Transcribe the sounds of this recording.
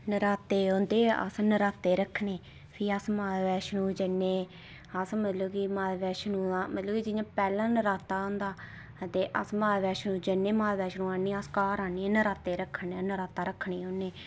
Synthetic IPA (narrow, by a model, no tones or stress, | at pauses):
nəɾaːt̪eːoːnd̪eːə̰snəɾaːt̪eːɾəkʰːneː | pʰiːəsmaːʋɛːʃnũːd͡ʒənːeː | əsmət̪ləbkiːmaːʋɛːʃnũːãmət̪ləbkiːd͡ʒɪɲãːpɛːlãːnəɾaːt̪aːõːnd̪aː | t̪eːʔə̰smaːʋɛːʃnũːd͡ʒənːeːmaːʋɛːʃnũːaːniːəskaːɾaːniːnəɾaːt̪eːɾəkʰːənːnəɾaːt̪aːɾəkʰːɳiːõːnːeː